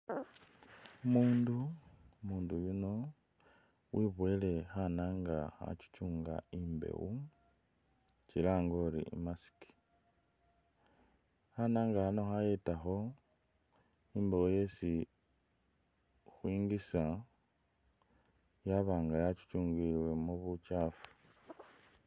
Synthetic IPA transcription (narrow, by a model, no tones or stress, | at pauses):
umuːndumuːndujuno̞ | wʔiβwe̞le̞xanaːŋɡaxa̰t͡ʃi̥t͡ʃuːŋɡa̰imbḛwu | t͡ʃilaːŋɡo̞ːlḭḭmasi̥ki̥ | hanaːŋɡahano̞xajetaxo̞ | imbe̞wuje̞si | xwiːŋɡisa | jaβaːŋɡajat͡ʃi̥t͡ʃuːŋɡilwe̞muβut͡ʃaːfu̥